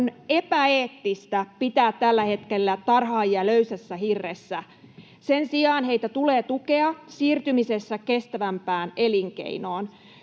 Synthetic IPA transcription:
nepæeːt̪ːist̪æpit̪æːt̪t̪ælːæhe̞t̪kelːæt̪ɑrhɑːjjɑløysæsːæhirːesːæ | sensiɑːnheit̪æt̪uleːt̪ukeɑsiːrt̪ymisesːækest̪æʋæmpæːneliŋkḛinoːn

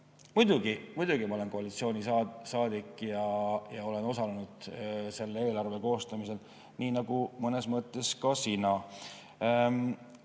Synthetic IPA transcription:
mujd̪̥uɡimud̪̥ʲuɡ̥imɑoe̞nko̞ɑlit̪sio̞ːnʲiɑsɑːd̪̥ikˑːjɑjɑo̞le̞no̞sɑlenud̪̥se̞lːee̞ːlɑrve̞ko̞ːst̪ɑmise̞l | niːnɑɡumɤne̞smɤt̪ːˑe̞skɑsinɑ

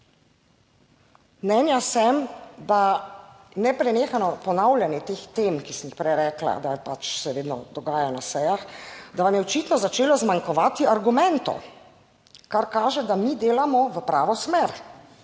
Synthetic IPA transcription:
mnɛːnjasɛmd̪a | nɛpɾɛneːxanɔpɔnawlʲjanjɛt̪eːxt̪eːmkisɛmixpɾɛjɾɛːkla̰d̪apat͡ʃsɛʋeːd̪nɔd̪ɔɡaːjanasɛjaxd̪aʋamjɛɔt͡ʃit̪nɔzat͡ʃeːlɔzmaŋkɔʋaːt̪iaɾɡumɛnt̪ɔ̰ | kaɾkaːʒɛd̪amid̪eːlamɔʋəpɾaːʋɔsmeɾ

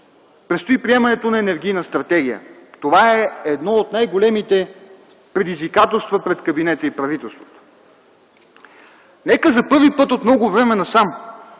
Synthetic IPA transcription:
pɾɛt̪st̪oipɾiɛmɐnɛt̪onɐɛnɛɾɡʲijnəst̪ɾɐt̪ɛɡʲijə̰t̪ovaɛɛd̪nɔot̪najɡolɛmit̪ɛ | pɾɛd̪izvikat̪ɛlˠst̪vəpɾɛt̪kɐbinɛt̪əipɾɐvit̪ɛlˠst̪vot̪o̥ | nɛkəzɐpɤɾvipɤt̪ot̪mnɔɡovɾɛmɛnɐsam

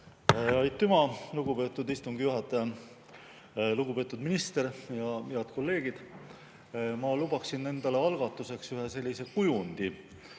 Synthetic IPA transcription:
ɑjt̪ːymɑluɡ̥ube̞ːt̪ːˑud̪ist̪uŋɡijuɦɑt̪ːˑɑjɑ | luɡupe̞ːt̪ːˑud̪̥minist̪e̞ɾjɑiɑd̪̥ko̞lːe̞ːɡ̥id̪̥ | mɑlubɑksinːe̞nd̪̥ɑle̞ɑlɡ̥ɑt̪ːˑuse̞ksyɦe̞se̞lʲːise̞kujund̪̥i

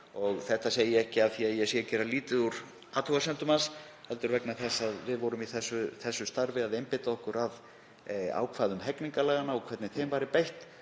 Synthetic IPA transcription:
ɔɣθɛht̪asejɪɛhcɪaθiaðjɛsjɛcɛːɾaliːt̪ɪuɾ | aːt̪ʰɔɣasɛnt̪ʏmas | hɛlt̪ʏɾvɛknaθɛsːaðvɪðvɔɾʏmiθɛsʏθɛsːʏst̪aɾvɪaðejmpɪt̪aɔhkʏɾað | a̰ːwkʰv̥aːðʏmɦɛkniŋkalɛːɣanːaɔkʰv̥ɛt̪nɪθejmvaːɾɪpejht̪

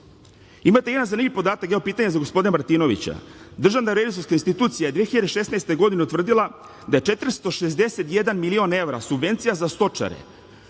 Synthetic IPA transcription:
imat̪eje̞d̪anzanimivʲpo̞d̪aːt̪akɡaopiːt̪aɲezaɡo̞spo̞d̪inemaɾt̪iːno̞ʋḭt͡ɕa̰d̪r̩ʒavnaɾelisoɾskainst̪it̪uːt̪sijajed̪ʋiexiʎad̪e̞ʃe̞snaest̪e̞ɡo̞d̪ineut̪vr̩d̪ilˠa | d̪aje̞t͡ʃe̞t̪ɾst̪oʃezd̪e̞se̞t̪jed̪anmilio̞ne̞ʋɾa̰subʋe̞nt̪sijazast̪o̞t͡ʃa̰ɾḛ

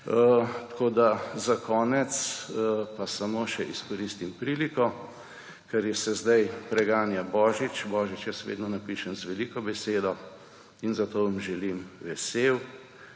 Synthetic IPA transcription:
ət̪koːd̪azakʰɔːnɛt̪spasamoːʃɛʔiskɔɾiːst̪impɾiːlikɔ | kɛɾjɛsɛzd̪ajpɾɛɡaːnjabɔːʒit͡ʃbɔːʒit͡ʃjasɛʋḛːd̪nɔnapiːʃanzʋɛliːkɔbɛseːd̪ɔ | inzat̪oːʋɐmʒɛlimʋɛseːw

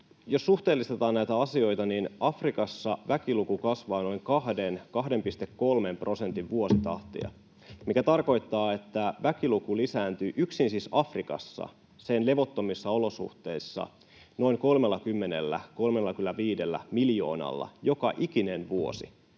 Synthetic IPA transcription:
jo̞sːuht̪e̞ːlːist̪et̪ɑːnnæjt̪æɑsio̞jt̪ɑninɑfrikɑsːɑʋækilukukɑsʋɑːno̞jŋkɑɦde̞nkɑɦde̞mpist̪e̞kːo̞lme̞mpro̞se̞nt̪iʋʋuo̞sit̪ɑ̰ht̪ḭɑ̰ | mikæt̪ɑrko̞jt̪ːɑːe̞t̪ːæʋækilukulisæːnt̪yːʔyksinsisɑfrikɑ̰sːɑ̰ | se̞nle̞ʋo̞t̪ːomisːɑolo̞sṵht̪e̞isːɑ̰ | no̞iŋko̞lmelːɑkymːene̞̰lːæ̰ko̞lme̞lːɑk̟ylːæʋiːde̞lːæ̰miljo̞̰ːnɑ̰lːɑ̰jo̞kɑʔik̟inenʋuo̞̰sḭ

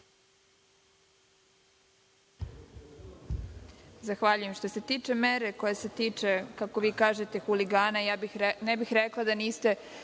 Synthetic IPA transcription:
zaxʋaʎuje̞mʃt̪o̞se̞t̪iːt͡ʂe̞meɾe̞ko̞jese̞t̪iːt͡ʂekako̞ʋiːkaːʒe̞t̪e̞xuliɡaːnajaːnɛbixɾeklˠad̪aniːst̪e̞

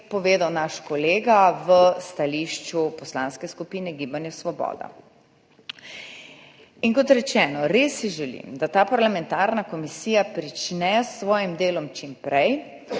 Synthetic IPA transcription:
pɔʋeːd̪awnaʃkɔleːɡaʋəst̪aliːʃt͡ʃupɔslaːnskɛskupiːnɛɡiːbanjasʋɔbɔ̰ːd̪a̰ | iŋkɔt̪ɾɛt͡ʃɛːnɔɾesːiʒɛlḭmd̪at̪aːpaɾlamɛ̃nt̪aːɾnakɔmisijapɾit͡ʃnɛsʋɔːjimd̪eːlɔmt͡ʃimpɾɛj

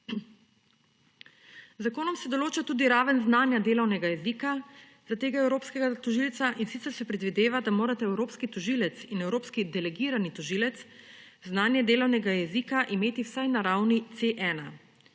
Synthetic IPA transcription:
zakoːnɔmsɛd̪ɔloːt͡ʃat̪uːd̪iɾaːʋənznaːnjad̪eːlɔwnɛɡajɛziːka | zat̪eːɡaɛwɾoːpskɛɡat̪ɔʒiːlt̪saʔinsit̪sɛɾsɛpɾɛd̪ʋid̪eːʋad̪amoːɾat̪ɛɛwɾoːpskit̪ɔʒiːlɛt̪sinɛwɾoːpskid̪ɛlɛɡiɾanit̪ɔʒiːlɛt̪s | znaːnjɛd̪eːlɔwnɛɡajɛzikaʔimeːt̪iwsajnaɾawnit̪seʔɛna

